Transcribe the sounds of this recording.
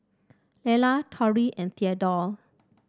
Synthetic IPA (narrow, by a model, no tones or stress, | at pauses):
lɛlatʰɔɹiʔɛ̃nt̪iadɔl